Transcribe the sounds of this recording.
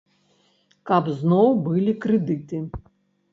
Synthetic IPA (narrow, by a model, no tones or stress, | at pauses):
kɐbznɔwbɨlʲikɾɨd̪ɨt̪ɨ